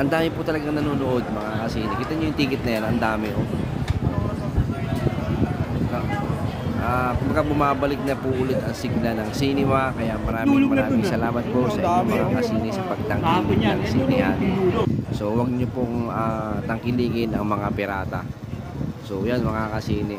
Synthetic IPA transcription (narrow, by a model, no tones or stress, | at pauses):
ʔɐnd̪aːmɪpʊt̪ɐlɐɡaŋnɐnuːnoʔo̞d̪̚mɐŋakɐsiːnɪkit̪ɐɲojʊŋt̪iːkɪt̪̚nɐjanɐnd̪aːmɪʔop | ʔakʊmbɐkabʊmaːbɐlɪk̚nɐpuʔʊlɪt̪ɐŋsɪɡlanɐŋsinɪmakɐjamɐɾaːmɪmɐɾaːmɪŋsɐlaːmɐt̪̚posɐʔiɲoŋmɐŋakɐsiːnɪsɐpɐɡ̚t̪ɐŋkikɪnnɐŋsiːnɪhanso̞wɐɡ̚ɲopoŋaːt̪ɐŋkɪliːŋɪnɐŋmɐŋapɪɾaːt̪ɐ̰ | so̞janmɐŋakɐsiːnɪ